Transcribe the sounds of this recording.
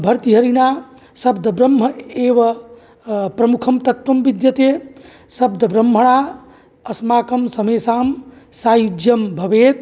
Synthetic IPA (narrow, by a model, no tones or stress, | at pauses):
bʱɐɾt̪iɦɐɾinaː | sɐbd̪ʱɐbɾɐmːɐeːʋɐ | pɾɐmukʰɐmt̪ɐt̪ʋɐmʋid̪jɐt̪eː | sɐbd̪ʱɐbɾɐmːɦɐɳaː | ɐsmaːkɐmsɐmeːsaːm | saːjud͡ʒjɐmbʱɐʋeːt̪̚